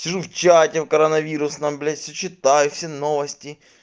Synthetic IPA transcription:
sʲɪʐuft͡ɕatʲɪfkɐɾɐnɐvʲiɾʊsnɐmblʲetʲfsʲɵt͡ɕɪt̪ajʊfsʲenovɐsʲtʲɪ

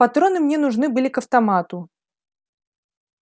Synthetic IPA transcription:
pɐt̪ɾo̞nɨmnʲenʊʐnɨbɨlʲɪkɐft̪ɐmat̪ʊ

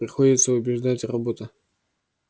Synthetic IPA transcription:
pɾʲɪxo̞dʲɪt̪səʊbʲɪʐd̪atʲrɐbo̞t̪ə

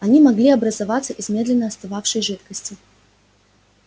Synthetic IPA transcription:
ɐnʲimɐɡlʲiɐbɾəzɐvat̪sːəʔɪzmʲe̞d̪lʲɪnːəɐst̪avafʂɨjʐɨt̪kəsʲtʲɪ

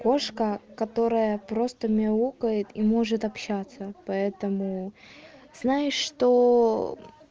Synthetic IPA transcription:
ko̞ʂkəkɐt̪o̞ɾəjəpɾo̞st̪əmʲɪlˠukəjɪt̪imo̞ʐɨt̪ɐpɕːat̪səpɐɛt̪əmʊ | z̥najɪʂːt̪o

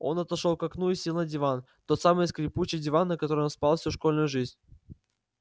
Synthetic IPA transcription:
o̞̰nɐt̪ɐʂo̞lˠkɐknuɪsʲilʲˠnəjdʲɪvan | t̪o̞t̪samɨjskɾʲɪput͡ɕɪjdʲɪvanːəkɐt̪o̞ɾəjonspalˠfsʲuʂko̞lʲnʊjʊʐɨzʲnʲ

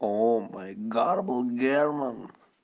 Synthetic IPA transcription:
omaɪɡɑɾəbl̩ˠɡɛɹmə̃n

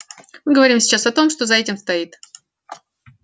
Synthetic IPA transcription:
mɨɡəvɐɾʲimsʲɪ̥t͡ɕasɐt̪o̞mʂt̪o̞zɐɛtʲɪmst̪ɐit̪

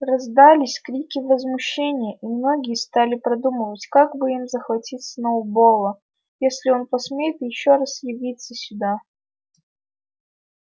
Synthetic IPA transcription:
rɐzd̪alʲɪsʲkɾʲikʲɪvəzmʊɕːenʲɪjəʔimno̞ɡʲɪjəst̪alʲɪpɾɐd̪uməvətʲkakbɨimzəxvɐtʲit̪sənəʊbolˠə | jesʲlʲɪo̞npɐsmʲejɪt̪jɪɕːoɾasjɪvʲit̪səsʲʊd̪a

